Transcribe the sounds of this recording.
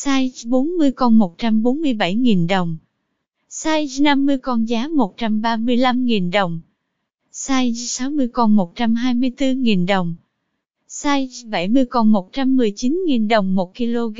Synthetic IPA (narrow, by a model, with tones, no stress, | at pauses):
saː˧jɓo˨˦nmɨ˧əjkɔ˧nmo˨˩t̚t͡ɕa˧mɓo˨˦nmɨ˧əjɓa˧˩jŋi˨˩nɗə˨˩wŋ͡m | saː˧jna˧mːɨ˧əjkɔ˧nzaː˨˦mo˨˩t̚t͡ɕa˧mɓaː˧mɨ˧əjla˧mŋi˨˩nɗə˨˩wŋ͡m | saː˧jsa˨˦wmɨ˧əjkɔ˧nmo˨˩t̚t͡ɕa˧mɦaː˧jmɨ˧əjt̪ɨ˧ŋi˨˩nɗə˨˩wŋ͡m | saː˧jɓa˧˩jmɨ˧əjkɔ˧nmo˨˩t̚t͡ɕa˧mːɨ˨˩əjt͡ɕi˨˦nŋi˨˩nɗə˨˩wŋ͡mmo˨˩t̚ki˧lo˧ɣ